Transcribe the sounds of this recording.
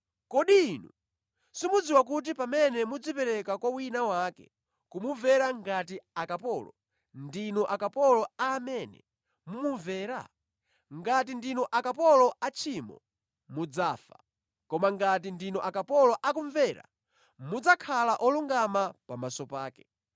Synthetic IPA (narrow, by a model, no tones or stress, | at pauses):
kɔɗiːnu | simud͡ziwakut̬ipamɛnɛmud͡zipɛɾɛkakwawinawaːkɛ̰ | kumuvɛɾaŋɡatiakapɔlɔ̰ | ndinɔʔakapɔlɔaːmɛnɛ̰ | mumuɱvɛːɾa̰ | ŋɡat̬indinɔʔakapɔlɔat͡ʃʰimɔ̰ | mud͡zaːfa̰ | kɔmaŋɡat̬indinɔʔakapɔlɔʔakuɱvɛɾa̰ | mud͡zakʰalaʔɔluŋɡamapamasɔpaːkɛ